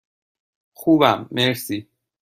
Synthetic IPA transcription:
xuːbæmːeɾsiː

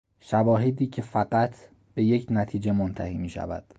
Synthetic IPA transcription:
ʃævɒːɦe̞d̪iːcʰe̞fæɢæt̪ʰ | b̥e̞je̞cʰnæt̪ʰiːd͡ʒe̞mont̪ʰæ̰hiːmiːʃæ̰væ̰d̪̥

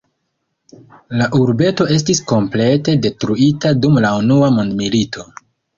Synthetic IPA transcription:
laʔuɾbe̞to̞e̞s̬tisko̞mple̞te̞de̞tɾuitadumlaunuamondmilitʰo̞

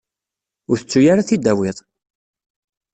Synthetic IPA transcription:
ʊɾθət͡sːujaɾaθid̪æwɪðˤ

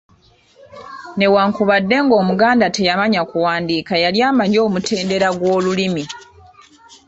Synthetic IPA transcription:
ne̞waːŋkuβadːe̞ŋɡo̞ːmuɡaːndate̞jamaɲakuwaːndiːkajaljaːmaɲo̞ːmutʰe̞ːnde̞ɾaɡwo̞ːlulimi

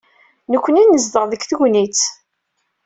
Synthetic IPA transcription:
nəkʷːəninːəzd̪əʁðəkθəʝnit͡s

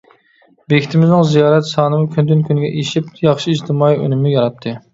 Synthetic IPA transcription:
bekʲʰit̪ʰɪmɪznɪŋzijɑːɾɛt̪sɑːnɨmukʲʰynd̪ynkʲynɡʲɛʔeʃip̚jɑχʃiːd͡ʒt̪ʰɪmɑːiø̰nɪmɪjɑɾɑt̪ʰːɨ

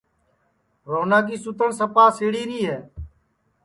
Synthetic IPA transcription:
ɾoːnaːɡiːsʊt̪ənsəpaːseːɽiːɾiːɦɛː

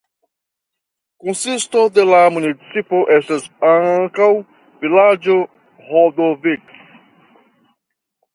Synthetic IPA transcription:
konsistodelamunit͡sipoʔestasaŋkaw | vilad͡ʒo | hod̪ovik

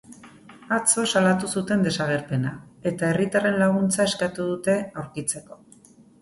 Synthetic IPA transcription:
at͡so̞salat̪usut̪e̞nd̪e̞saɣ̞e̞ɾpe̞nae̞t̪ae̞rit̪are̞nlaɣ̞unt͡saeskat̪uðut̪e̞awɾkit͡se̞ko̞̥

